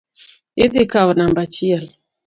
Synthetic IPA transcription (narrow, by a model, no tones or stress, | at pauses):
edekawnambat͡ʃial